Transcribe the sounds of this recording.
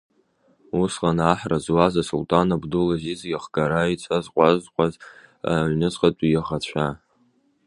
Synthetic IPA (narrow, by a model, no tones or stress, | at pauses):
usqanaħrazwazasultʼanabdulazizɡʲaχɡaɾait͡sʷʰazqʷʼazqʷʼaza̰ʕʷnɨt͡sʼqʼatʷʼijaʁat͡ɕʷʰa